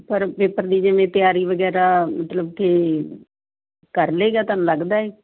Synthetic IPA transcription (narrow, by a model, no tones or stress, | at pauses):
pəɾpeːpəɾd̪iːd͡ʒɪʋẽːt̪ɪjaːɾiːʋəɡɛːɾaːmət̪ləb̚t̪ʰeː | kəɾleːɡaːt̪aːnũləɡd̪aːeː